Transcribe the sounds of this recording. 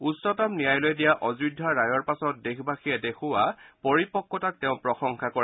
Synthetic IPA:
usɔtamnijajlojdijaʔɔzɹudʱːaɹajɔɹpasɔt̚dexbaxijɛdexʊwapɔɹipɔkːɔtak̚teʊ̃pɹɔxɔŋkʰakɔɹ

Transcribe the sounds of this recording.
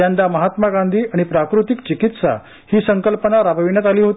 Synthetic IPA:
and̪aməɦat̪maɡãnd̪ʱiːaɽ̃ipɾakɾut̪ikt͡ɕikit̪sa̰ | hiːsəŋkəlpənaɾabʱəʋinjat̪aliːɦot̪

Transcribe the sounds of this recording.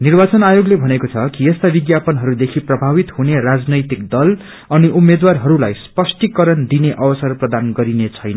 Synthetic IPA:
nirbat͡sʌnajoɡlebʱʌnekot͡sʰʌkiest̪abiɡjapʌnɦʌɾud̪ekʰiprʌbʱabit̪ɦunerad͡znʌjt̪ikd̪ʌl | ʌniʔumːed̪warɦʌɾulajspʌsʈikʌɾʌnd̪ineʔʌbʌsʌrprʌd̪anɡʌɾinet͡sʰʌjnʌ

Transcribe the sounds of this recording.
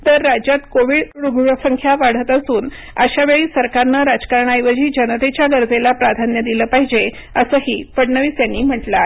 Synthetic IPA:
t̪əɾːad͡ʑjat̪koʋiːɽɾuɡʱɭəsəŋkʰjaʋaɽ̤ət̪əsuːn | əɕaʋeɭiːsəɾkaɾnəɾad͡ʑkaɾɳajʋəd͡ʑiːd͡ʑənət̪et͡ɕjaɡəɾd͡zelapɾad̪ʱanjəd̪iləːpaɦid͡ʑe | əsəɦiːpəɽɳəʋiːsjanːiːm̤əʈla

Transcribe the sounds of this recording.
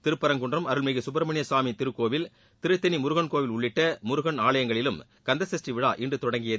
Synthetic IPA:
t̪ɪɾɯpːɐɾɐŋɡʊɳdrɐmɐɾɯɭmeɣɯsʊbɐɾɐmɐɳɪjɐsaːmit̪ɪɾɯkːoːʋɪl | t̪ɪɾɯt̪ːɐnimʊɾɯɣɐɳkoːʋɪlʊɭːɪʈːɐmʊɾɯɣɐɳaːɭɐjɐŋɡɐɭɪlɯm | kɐnd̪ɐsɐsʈriʋɪɻa̰ːʔɪndrɯt̪ɔɽɐŋɡɪjɐ

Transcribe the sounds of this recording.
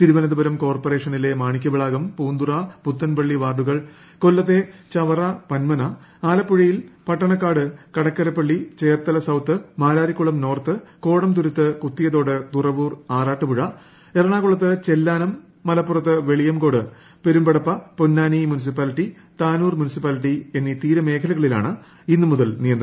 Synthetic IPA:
t̪iɾuʋɐnɐðubɐɾɐmko̞ːrpore̞ːʂɐnile̞maːɳikʲːuʋiɭaːɣɐmpuːnd̪urɐput̪ːɐnpɐɭːiʋaːɖuɣɐɭ | kolːɐt̪ːe̞t͡ɕɐʋɐrɐpɐnmɐnɐ | aːlɐpːuɻijilpɐʈːɐɳɐkːaːɽɨkɐɽɐkːɐɾɐpːɐɭːit͡ɕe̞ːrt̪ɐlɐsɐwt̪ːɨmaːɾaːɾikʲːuɭɐmno̞ːrt̪ɨko̞ːɽɐmt̪uɾut̪ːɨkut̪ːijɐðo̞ːɽɨt̪urɐʋuːraːraːʈːɨpuɻɐ | erɐɳaːɣuɭːɐt̪ːɨt͡ɕe̞lːaːnɐmː | ɐlɐpːurɐt̪ːɨʋe̞ɭijɐmko̞ːɽɨ | pe̞ɾumbɐɽɐpːɐponːaːnimjunis̬ipːaːliʈːi | t̪aːnuːrmunisipːaːliʈːie̞nːit̪iːɾɐme̞ːkʰɐlɐɣɐɭila̰ːɳɨ | inːɨmuðɐlnijɐnd̪r

